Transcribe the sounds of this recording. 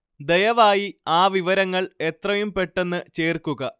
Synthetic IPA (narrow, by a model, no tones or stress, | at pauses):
d̪ejɐʋaːjiaːʋiʋɐɾɐŋːɐɭe̞t̪rɐjumpe̞ʈːe̞nːɨt͡ɕeːrkuɣɐ